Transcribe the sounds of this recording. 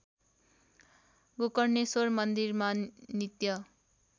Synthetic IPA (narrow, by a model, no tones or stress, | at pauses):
ɡokʌrnesormʌnd̪irmanit̪jʌ